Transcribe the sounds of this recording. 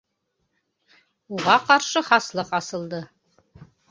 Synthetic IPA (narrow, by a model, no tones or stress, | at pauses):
uʁɑqɑɾʃɤχɑslˠɤqɑsɤ̆lˠd̪ɤ